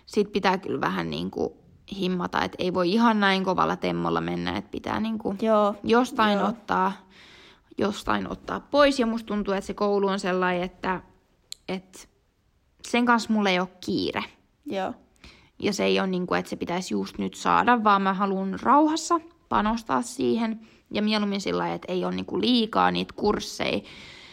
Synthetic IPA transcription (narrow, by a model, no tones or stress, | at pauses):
sit̪̚pit̪æːky̰lʋæhænnḭːŋkṵ | himːɑt̪ɑ̰ḛt̪eiʋoiihɑnnæiŋkoʋɑ̰lːɑt̪emːo̰lːɑ̰menːæ̰ḛt̪pit̪æ̰ːniːŋkujjost̪ɑinot̪ːɑː | jost̪ɑ̰ino̰t̪ːɑ̰ːppoisjɑmust̪unt̪uːet̪sekouluonselːɑiet̪ːæ | et̪ | seŋkɑnsmulːejokkḭːrḛ | jɑseeijonniːŋkuet̪sepit̪æsjust̪nyt̪sɑ̰ːdɑʋːɑːmmæɦɑlunrɑuhɑsːɑ | pɑnost̪ɑ̰ːssiːhen | jɑmieluminsḭlːɑiet̪eionnḭːŋkuliːkɑ̰ːnḭːt̪kursːḛi